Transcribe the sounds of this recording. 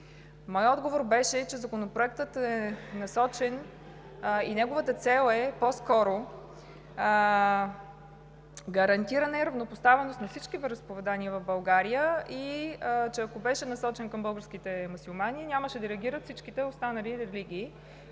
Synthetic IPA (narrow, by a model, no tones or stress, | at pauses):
mɔjɔd̪ɡovoɾbɛʃɛt͡ʃɛzɐkonopɾoɛk̚t̪ət̪ɛnɐsɔt͡ʃɛn | inɛɡovət̪ət̪sɛlˠɛpɔskɔɾo | ɡɐɾɐnt̪iɾənɐiɾɐvnopost̪avɛnost̪nɐfsit͡ʃkivɛɾəspovɛd̪aniəvɐvbɐlˠɡaɾijəit͡ʃɛɐkobɛʃɛnɐsɔt͡ʃɛnkɐmbɤlˠɡəɾskit̪ɛmusulˠmanʲinʲjaməʃɛd̪ɐɾɛəɡʲiɾət̪fsit͡ʃkit̪ɛʊst̪anɐliɾɛliɡ̟ʲiː